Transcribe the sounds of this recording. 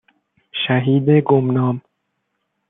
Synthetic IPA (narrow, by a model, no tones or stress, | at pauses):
ʃæɦiːd̪eɡomnɒːm